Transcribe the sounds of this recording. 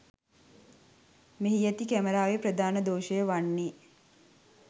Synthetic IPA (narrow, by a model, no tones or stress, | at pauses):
meɦijæt̪ikæməɾaːʋepɾəd̪aːnəd̪oːʃəjəʋanːiː